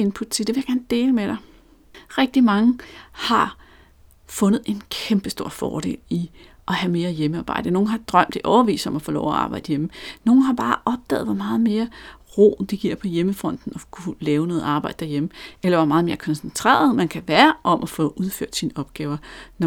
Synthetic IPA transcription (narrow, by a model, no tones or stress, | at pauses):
enpʰud̥̚t͡sʰe̝ld̥e̝ʋe̝jaɡ̥æɐːnd̥e̝ːləmeɾ̥ɑɪ | ʁɛɡ̥̚d̥imɑ̈ŋəhɑ̈ | fɔ̽nð̩ˠe̝nkʰemb̥əsd̥o̝ɐ̰fɒ̰ːd̥e̝̰ːli | ʔɒ̽hæme̝ːɐjeməɑ̈ːb̥ɑ̈ɪ̰d̥əno̝ːn̩ɦɑ̈d̥ʁɶm̰d̥iʔɒʊʋḭːsɒ̽mæfɔːlɒʊɒɑ̈ːb̥ɑ̈ɪ̰d̥əjemno̝ːn̩ɦɑ̈b̥ɑ̈ːʔɒ̽b̥̚d̥ɛ̰ːð̩ˠʋɒ̽mɑ̈ːð̞̩ˠme̝ːɐʁo̰ːd̥iɡ̥iɐ̰pʰɒ̽jeməfʁɒ̽n̰d̥n̩ɒ̽kʰulɛːʊnɔ̽ːð̩ˠɑ̈ːb̥ɑ̈ɪd̥ə̥d̥æɐjeməelɐʋɒmɑ̈ːðˠme̝ːɐkʰɒ̽nsent͡sʰʁɛ̰ːɐð̩ˠmænkʰæʋæːɐʔɒ̽mʔæfɔ̽ʔuð̞ˠføɐ̰d̥siːnəɒ̽b̥ɡ̥ɛːʊɐn